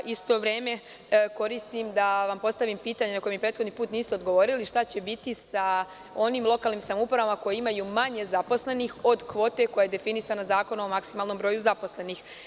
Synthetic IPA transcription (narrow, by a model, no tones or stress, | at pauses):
ist̪o̞ʋɾe̞ːme̞ | ko̞ɾist̪imd̪aʋampo̞st̪aʋimpiːt̪aɲenakoemipɾeːt̪xod̪nipuːt̪niːsuod̪ɡo̞ʋo̞ːɾiliʃt̪at͡ɕe̞bit̪isa | o̞nimlˠo̞kaːlˠniːmsamoupɾaʋamako̞jeimajumaɲe̞zapo̞sle̞nixo̞d̪kʋo̞ːt̪e̞ko̞jajed̪e̞finisanazaːko̞noomaksimalno̞mbɾo̞ːjuzapo̞sle̞nix